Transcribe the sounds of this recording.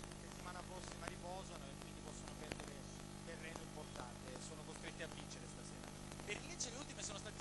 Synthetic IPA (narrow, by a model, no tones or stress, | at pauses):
set̪ːimaːnapɾɔsːimaɾipɔːzanoekːwind̪ipɔsːonopɛrd̪eɾe | t̪erːenoimport̪ant̪esoːnokost̪ɾet̪ːeavːint͡ʃeɾest̪aseːɾa̰ | perkinveːt͡ʃeleult̪imesoːnost̪aːt̪e